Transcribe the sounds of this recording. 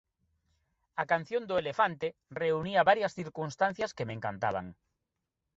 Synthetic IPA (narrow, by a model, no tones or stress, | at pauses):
akan̟θjõnd̪ʊelefant̪ereuniaβaɾjasθiɾkunst̪an̟θjaskemẽŋkant̪a̰β̞a̰ŋ